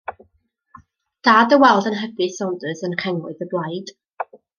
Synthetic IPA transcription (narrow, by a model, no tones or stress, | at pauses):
d̥aːdəwɛlˠdənɦəbɨsɔndɨsənkʰɛŋwʊ̰ɨðəblˠajd̥